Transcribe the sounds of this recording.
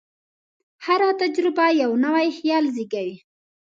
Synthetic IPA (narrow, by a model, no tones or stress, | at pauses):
haɾat̪ad͡ʒɾɪbajawnawajhjɑlzikawi